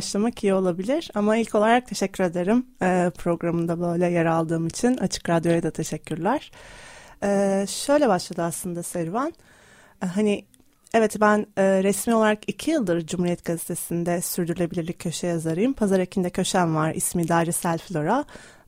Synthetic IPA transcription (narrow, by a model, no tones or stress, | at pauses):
aʃlˠamakijio̞lˠabilʲiɾ̥amailʲcʰo̞lˠaɾak̚t̪ʰe̞ʃɛcʰːyɾe̞d̪e̞ɾimɛːpʰɾo̞ɡɾamɯnd̪abø̞jlʲɛjaɾalˠd̪ɯːmit͡ʃʰinat͡ʃʰɯ̥kɾad̪jo̞jad̪at̪ʰe̞ʃɛcʰːyɾlʲæɾ̥ | ɛːʃø̞jlʲɛbaʃlˠad̪ɯaslˠɯnd̪asɛɾvan | ɦani | ɛvɛt̪bænɛːɾɛsmiːo̞lˠaɾakicʰijɯlˠd̪ɯɾd͡ʒumhuɾijɛt̪̚ɡazet̪ʰe̞sind̪ɛsyɾd̪yɾylʲe̞bilʲiɾlʲicʰːø̞ʃɛjazaɾɯjɯmpʰazaɾecʰind̪ɛcʰø̞ʃænvaɾḭsmiːd̪aːɾisælʲflʲo̞ɾa